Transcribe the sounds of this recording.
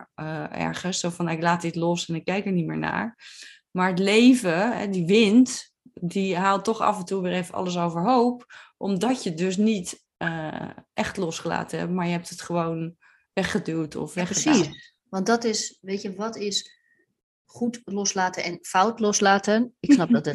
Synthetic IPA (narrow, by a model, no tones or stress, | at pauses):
ʔɛ̰ɹχənssowfɑnaɪklaːt̚dɪtlɔsɛnɪkːɛjkɛɹnimɪːɹna̰ːɹ | maːɹətlejvəɦɛ̰diʋɪnt | diɦaːlˠtɔχɑ̰fɛntuʋɪːɹejvəʔɑ̰ləs̬owvəɹɦowpʔɔmdɑcjədɵs̬nit | əʔɛχtlɔsχəla̰ːtəɦɛ̰pmaːɹjəɦɛp̚tətχəʋown | ʋɛχədylˠtʰɔ̰fʋɛχəai | ʋɑndɔtɪsʋejəʋɑtɪs | χutlɔslaːtənɛnfawtlɔslaːtənɪksnɑp̚dɔtə